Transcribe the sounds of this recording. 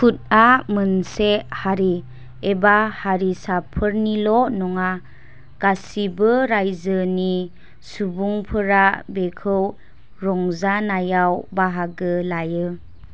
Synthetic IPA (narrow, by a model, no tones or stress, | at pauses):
kʰut̚amənsehaɾi | ebahaɾisapʰɯɾnilɔnɔŋa | ɡ̥asibɯɾajzəni | subuŋpʰɯɾabekʰɯw | ɾɔŋzanajawbaɦaɡɯlajɯ